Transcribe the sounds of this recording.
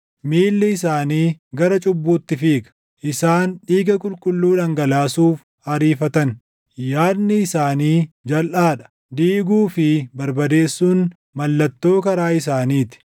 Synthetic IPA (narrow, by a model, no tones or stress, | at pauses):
miːlːɪɪsaːniːɡɐɾɐt͡ʃʼʊbːuːt̪ːɪfiːkɐ̥ | ʔɪsaːnᶑiːɡɐkʼʊlkʼʊlːuːᶑɐŋɡɐlaːsuːf | hɐɾiːfɐt̪ɐn | jaːd̪nɪɪsaːniːd͡ʒɐlʔaːᶑɐ̥ | d̪iːɡuːfɪbɐɾbɐd̪e̞ːsːuːn | mɐlːɐt̪ːo̞ːkɐɾaːɪs̬aːniːt̪ɪ̥